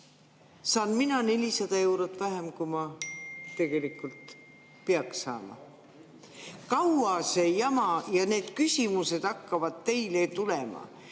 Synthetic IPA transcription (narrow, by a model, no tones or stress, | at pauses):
sɑːnminɑne̞lʲisɑd̪̥ɑewɾot̪ːˑvæɦe̞mkumɑt̪e̞ɡ̥e̞likːult̪ | peɑksɑ̰ːmɑ̰ | kɑwɑse̞jɑmɑjɑne̞ːd̪̥kysʲimuse̞d̪̥ɑkːɑvɑd̪̥̚t̪e̞jlet̪ulemɑ̰